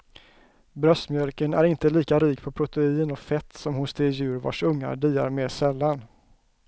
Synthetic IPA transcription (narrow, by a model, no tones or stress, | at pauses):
bɾœst̪mjœlkənæ̰ɾɪnt̪əliːkaɾiːkpʰɔpʰɾʊt̪ɛiːnɔfɛt̪ːsɔmhʊnst̪eːjʉ̟ːɾva̰ʂɵŋːa̰ɖiːa̰ɾmeːʂɛlːan